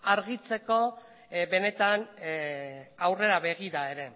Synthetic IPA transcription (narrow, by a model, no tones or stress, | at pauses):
aɾɣit͡se̞ko̞ | be̞ne̞t̪an | awre̞ɾaβe̞ɣiɾae̞ɾe̞